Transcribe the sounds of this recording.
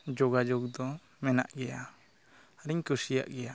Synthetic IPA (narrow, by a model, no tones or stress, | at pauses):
d͡ʒɔɡad͡ʒɔk̚d̪ɔ | mɛna̰ʔɡɛja | ɾiɲkuɾsija̰ʔɡɛja